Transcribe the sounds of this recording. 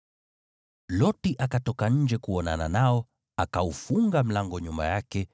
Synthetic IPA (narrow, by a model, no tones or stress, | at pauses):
lɔtiʔakatɔkaɲ̩d͡ʒɛkuɔna̰nanaɔ | akaufuŋɡam̩laŋɡɔɲumba̰jakɛ